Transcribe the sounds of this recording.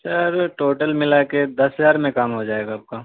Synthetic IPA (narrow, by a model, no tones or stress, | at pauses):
sɐɾʈoːʈəlmɪlaked̪ɐsɦəd͡ʒaːɾmẽkaːmɦod͡ʒaːeːɡaɐp̚kaː